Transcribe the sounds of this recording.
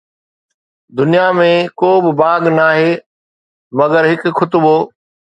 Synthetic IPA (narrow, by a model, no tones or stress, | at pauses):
d̪ʊnijamẽkoːbɪbaːɡnaːɦeː | mɐɡəɾɦɪkxʰʊt̪ʊboː